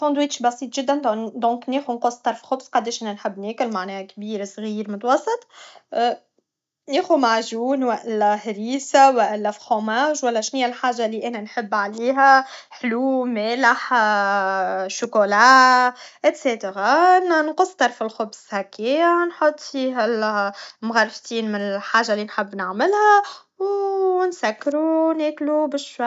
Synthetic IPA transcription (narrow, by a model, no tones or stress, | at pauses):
sˤɑ̃nd̪wiːt̪ʃbɑsiːt̪ˤʒɪd̪ːænd̪ɔ̃ːkneːxunqosːˤt̪ɑɾˤflxʊbsqɑd̪ɛːʃʔænænħɪbːneːkʊlmaʕnɛːhkbiːɾsɣiːɾmʊt̪wɑsˤːɨt̪ˤː | neːxumaʕʒuːnwæʔælːæhɾiːsawæʔælːæfxomaːʒwælːæʃnɪjːælħaːʒːalːiːʔænænħɪbːʕaliːɦæħluːmæːlɪħ | ʃʊkolaːʔɪt̪seːt̪əɾɑnnqʊsːˤt̪ɑɾˤfɪlxʊbshækːiːnħot̪ˤːfiːɦælmɣɑrˤft̪iːnmɪnɪħaːʒːalːinħɪbːnaʕmɪlhæ | wnsækːɾunɛːklubɪʃwa